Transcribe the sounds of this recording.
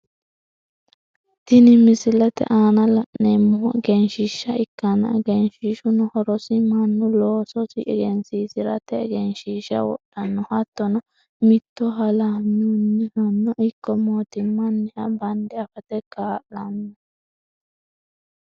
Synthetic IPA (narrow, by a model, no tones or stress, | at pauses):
t̪ɪnɪmɪsɪlɛt̪ɛ̰ʔaːnɐlɐʔɛmːɔɡɛnʃɪʃːɐɪkːɐnɐ̰ɡɛnʃiʃʊnɔhɔɾɔsɪmɐnːʊloːsɔsɪ̰ʔɛɡɛnsiːsɪɾɐt̪ɛɡɛnʃiːʃɐ̰wɔ̰ɗːɐnːɔhɐt̪ːɔnɐ | mɪt̪ːɔɦɐlamunːɪhɐmːɐʔɪkːɔmoːt̪ɪmːɐnːɛhɐbɐnd̪ɛɐfɐt̪ɛkaːʔɐnːɔ